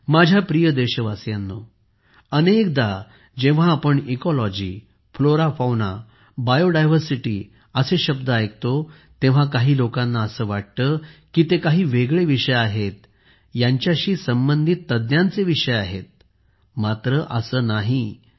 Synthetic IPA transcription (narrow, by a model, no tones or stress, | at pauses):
mad͡ʑʱjapɾijəd̪eɕəʋasjanːo | ənek̚d̪a | d͡ʑeʋ̤ãːpəɳikɔlɔd͡ʑḭː | floɾafawna̰ | bajoɖajʋ̤əɾsiʈiː | əseɕəb̚d̪əajk̚t̪o | t̪ẽʋ̤akaɦiːlokãnːaəsəːʋaʈ̚t̪əkiːt̪ekaɦiːʋeɡɭeʋiʂəjaɦet̪̚ | jaɲt͡ɕjaɕiːsəmbənd̪ʱit̪ːəd̪njãnt͡seʋiʂəjaɦet̪̚ | mat̪ɾəʔəsəːnaɦi